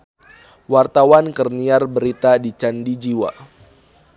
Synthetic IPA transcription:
wart̪awankərniarbəɾit̪adit͡ʃandid͡ʒiwa

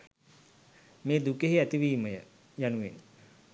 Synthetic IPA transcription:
meːd̪ukeɦiæt̪iʋiːməjə | januʋen

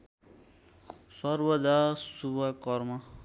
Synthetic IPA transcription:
sʌrbʌd̪asubʱʌkʌrmʌ

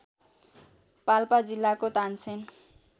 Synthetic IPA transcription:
palpad͡zilːakot̪ant͡sʰen

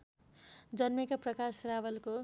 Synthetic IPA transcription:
d͡zʌnmʌkaprʌkasrawʌlko

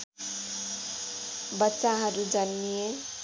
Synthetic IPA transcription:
bʌtːsaɦʌɾud͡zʌnːije

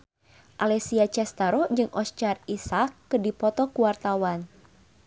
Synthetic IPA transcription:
ʔalɛsiat͡ʃɛst̪aɾɔd͡ʒɨŋʔɔst͡ʃarisakːɨdipɔt̪ɔkuwart̪awan

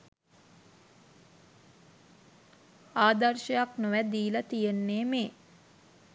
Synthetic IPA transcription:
aːd̪ɐrʃɐjaknoʋæd̪iːlɐt̪ijenːeːmeː

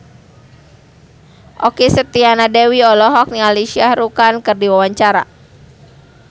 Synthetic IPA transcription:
ʔɔkisət̪ianadɛwiɔlɔɦɔk̚nialesiahɾukankɨrdiwawaɲt͡ʃaɾa̰

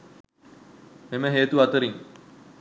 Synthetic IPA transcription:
meməɦeːt̪uɐt̪əɾiŋ

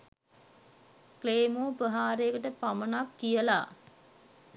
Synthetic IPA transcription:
kleːmoːpəɦaːɾeəkəʈəpamənakːijəla̰

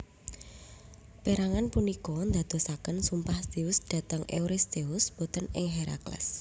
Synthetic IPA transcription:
peɾaŋanpunikɔnd̪ad̪̥o̤sakənsumpahsd̪̥eʊsd̪̥ä̤t̪əŋḛuɾɪst̪eʊsb̥ot̪ənɪ̰ŋɦeɾa̰klɛ̰s

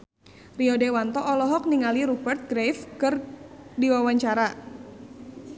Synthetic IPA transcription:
riɔdewant̪ɔʔɔlɔɦɔk̚niŋaliɾubɛrt̪̚ɡɾefkɨrdiwawaɲt͡ʃaɾa

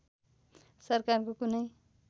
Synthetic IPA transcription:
sʌrkarkokunʌj

